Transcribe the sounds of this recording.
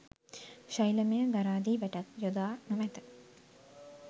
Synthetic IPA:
ʃajləməjəɡaɾaːd̪iːʋɛʈak̪jod̪aːnuʋɛt̪ə̥

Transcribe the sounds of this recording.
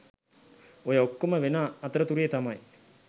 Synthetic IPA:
ojəokːoməʋenaːt̪əɾət̪uɾijet̪amaj

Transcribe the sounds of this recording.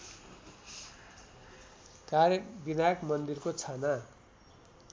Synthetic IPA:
karjebinajʌkmʌnd̪irkot͡sʰʌna

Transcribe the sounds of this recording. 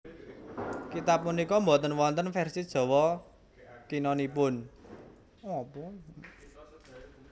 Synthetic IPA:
kit̪ap̚munikɔmbɔt̪ənwɔnt̪ənfɛrsid̥ʒ̥ɔ̤wɔ | kinɔnipʊn | ɔpɔ

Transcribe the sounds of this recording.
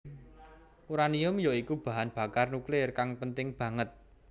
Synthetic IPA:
kuɾaniʊmjoikub̥ä̤ɦanb̥ä̤karnuklɪrkaŋpənt̪ɪŋb̥ä̤ŋət̪̚

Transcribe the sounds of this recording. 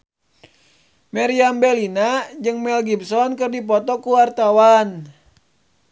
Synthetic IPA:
maɾiambɛlinad͡ʒɨŋmɛlɡibsɔnkɨrdipɔt̪ɔkuwart̪awan

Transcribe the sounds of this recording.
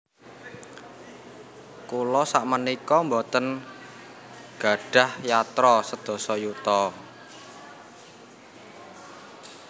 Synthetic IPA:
kulɔsaʔmənikɔmbɔt̪ən | ɡ̥ä̤ɖ̥ä̤hjat̪ɾɔsəd̪̥ɔ̤sɔjut̪ɔ

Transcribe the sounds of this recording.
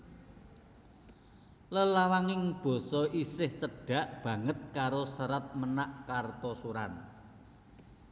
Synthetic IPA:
ləlawaŋɪŋb̥ɔ̤sɔʔisɪht͡ʃəɖ̥ä̤ʔb̥ä̤ŋət̪̚kaɾosəɾət̪̚mənaʔkart̪ɔsuɾan

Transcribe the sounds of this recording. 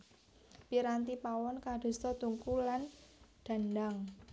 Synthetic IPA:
piɾant̪ipawɔnkaɖ̥o̤st̪ɔt̪uŋkulanɖ̪̥a̤ndaŋ

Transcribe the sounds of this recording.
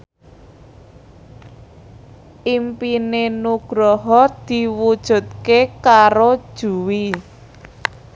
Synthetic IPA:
ʔimpinenuɡ̥ɾɔɦɔd̪̥i̤wud̥ʒ̥ṳt̪̚kekaɾod̥ʒ̥ṳwi

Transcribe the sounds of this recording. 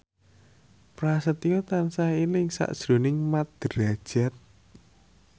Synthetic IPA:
pɾasət̪jɔt̪ansailɪŋsa̰ʔd̥ʒ̥ɾo̤nɪŋmat̪̚d̪̥əɾad̥ʒ̥a̤t̪̚

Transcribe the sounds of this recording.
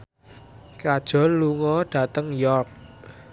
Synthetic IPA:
kad̥ʒ̥ɔ̤nluŋɔɖ̥a̤t̪əŋjɔrk̚

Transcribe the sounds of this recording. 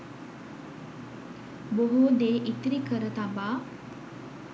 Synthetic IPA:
boɦud̪eːʔit̪ɾikəɾət̪abaː

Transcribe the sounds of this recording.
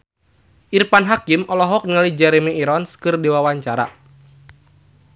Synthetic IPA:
ʔirpanɦakimɔlɔɦɔk̚nalid͡ʒɛɾemiiɾɔnskɨrdiwawaɲt͡ʃaɾa

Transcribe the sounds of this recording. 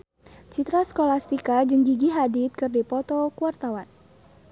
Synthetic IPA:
t͡ʃit̪ɾaskolast̪ikad͡ʒɨŋɡiɡiɦadit̪̚kɨrdipɔt̪ɔkuart̪awan

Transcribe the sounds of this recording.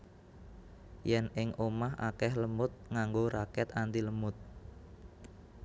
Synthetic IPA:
jɛnɪŋʔomaɦa̰kɛhləmʊt̪̚ŋaŋɡoɾakɛt̪and̪iləmʊt̪̚

